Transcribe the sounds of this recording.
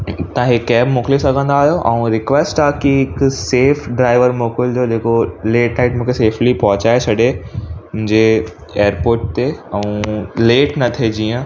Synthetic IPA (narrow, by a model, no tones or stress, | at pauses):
t̪ãɦɪkːɛːbmʊ̃ːklisɐɡʱə̃nd̪aːɦjoʔɐ̃ũɾɪkʋesʈaːkiɪkseːfɖɾaːɪʋəɾmoːkɪld͡ʑoːd͡ʑeːkoleːʈnaːɪʈmũːkʰeseːflipɐɦʊt͡ɕaːet͡ɕʰɐɗemʊ̃ɦɪ̃ɲd͡ʑe | eːəɾpoːɾʈ̚t̪eɐ̃ũleːʈnɐt̪ʰed͡ʑiːə̃